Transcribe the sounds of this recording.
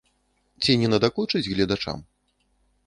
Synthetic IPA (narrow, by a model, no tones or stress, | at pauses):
t͡sʲinʲɛnɐd̪aklut͡ʂɨd͡zʲɣlʲɐd̪at͡ʂa̰m